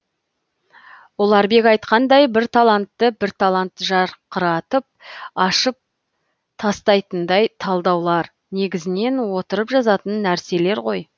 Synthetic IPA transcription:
wo̞lˠɑɾbe̞kɑjt̪qɑnd̪ɑjbɪɾt̪ʰɑlˠɑnt̪ːəbɪɾt̪ʰɑlˠant̪ːʒɑɾqəɾɑt̪əp̚ɑʃəp̚ | t̪ʰɑst̪ɑjt̪ənd̪ɑjt̪ʰɑlˠd̪ɑwlˠɑɾ | ne̞ɡʲɪzɪne̞nwo̞t̪əɾəpʒɑzɑt̪ənːæɾse̞le̞ɾʁo̞j

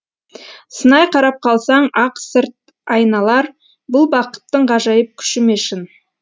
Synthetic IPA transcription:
sənɑjqʰɑɾɑp̚qʰɑlˠsɑɴɑqsɪɾt̪̚ | ɑjnɑlˠɑɾ | bʊlˠbɑqə̥t̪ːəɴqɑʒɑjəp̚kʲʰʏ̥ʃɪmeʃɪn

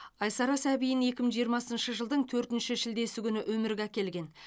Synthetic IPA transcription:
ɑjsɑɾɑsæbijɪne̞kʲɪməŋʒijəɾmɑsənʃəʒəlˠd̪əɴt̪ʰɵɾt̪ɪnʃɪʃɪld̪e̞sɪɡʲʏnɪʔwɵmɪɾɡʲækʲe̞lɡʲe̞n

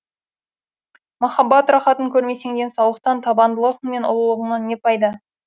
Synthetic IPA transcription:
mɑχɑbɑt̪rɑχɑt̪əŋkʲʰɵɾme̞se̞ŋd̪ensɑwlˠəq̚t̪ɑnt̪ʰɑbɑnd̪əlˠəʁəɴme̞nʊ̰lˠəlˠəʁəŋnɑnːe̞pɑjd̪ɑ

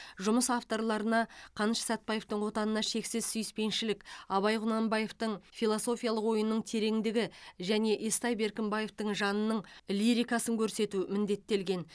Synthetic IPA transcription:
ʒʊməsaft̪o̞ɾlˠɑɾənɑqʰɑnʃsæt̪̚pɑje̞ft̪əɴwo̞t̪ɑnənɑʃe̞ksɪzsʏjɪspe̞nʃɪlɪkʲɑβɑjʁʊnɑmbɑje̞ft̪əɴfijlˠo̞so̞fʲijɑlˠəqwo̞jənːəɴt̪ʰe̞ɾe̞ŋd̪ɪɡʲɪʒæne̞ʔest̪ɑjbe̞ɾkʲɪmbɑje̞ft̪əɴʒɑnənəɴliɾijkɑsəŋkʲʰɵɾse̞t̪umɪnd̪e̞t̪ːe̞lɡʲe̞n

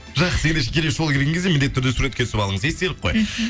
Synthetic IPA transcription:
ʒɑqə̥se̞nd̪eʃ̬ekʲʰelesʒokʰʲeɾɡʲeŋkʰezemɪnd̪et̪ʰːʏɾd̪esuɾet̪kʲet̪ʰʏsɪpɑlˠəɴəze̞st̪elɪp̚qʰoj

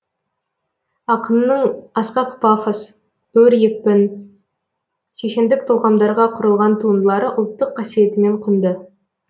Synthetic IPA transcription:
ɑqənnəɴɑsqɑqpɑfas | ɵɾjek̚pɪn | ʃeʃend̪ɪk̚t̪ʰolˠʁɑmd̪ɑɾʁɑqʰʊɾəlˠʁɑnt̪ʰuənd̪əlˠɑɾəʔʊlˠt̪ːəqʰːɑsije̞t̪ɪme̞ɴqʰʊnd̪ə

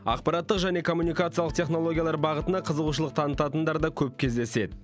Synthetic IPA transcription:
ɑ̰qpɑɾat̪ːəqʒæne̞kʰo̞mːunijkat̪sɨjalˠəq̚t̪ʲʰe̞χno̞lˠo̞ɡʲijalˠɑɾbɑʁət̪ənɑqʰəzəʁuʃ̬əlˠəq̚t̪ʰɑnət̪ɑt̪ənd̪ɑɾd̪ɑkʲʰɵp̚kʲʰe̞zd̪e̞se̞d̪ɪ

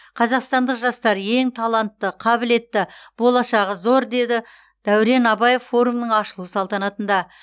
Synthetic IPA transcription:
qʰɑzɑqst̪ɑnd̪əqʒɑst̪ɑɾje̞ŋt̪ʰɑlˠɑnt̪ːəqʰɑbɪle̞t̪ːɪb̥o̞lˠɑʃɑʁəzo̞ɾd̪e̞d̪ɪ | d̪̥æwɾe̞nɑbɑje̞ffo̞ɾumnəɴɑʃəlˠusɑlˠt̪ɑnɑt̪ənd̪ɑ

